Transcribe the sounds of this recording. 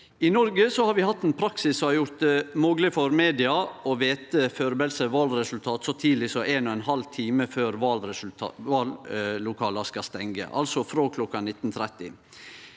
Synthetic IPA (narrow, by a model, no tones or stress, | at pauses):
ɪnɔɾɡəsɔhɑɾʋɪhɑt̪ːeːnpʰɾɑksɪssɔɑɾjʊɾt̪moːɡlɪfɔɾmeːd̪ɪɑɔʋeːt̪əføːɾbɛlsəʋɑːlɾɛsʉlt̪ʰɑːt̪sɔt̪ʰiːd̪lɪsɔʔeːnɔːɛnhɑlt̪ʰiːməføːɾʋɑlɾɛʋɑːllʊkʰɑːlɑskɑst̪ɛŋɡə̰ʔɑ̰lsɔfɾoːkʰlɔkːɑnɪt̪ːnt̪ʰɾɛt̪ːɪ̰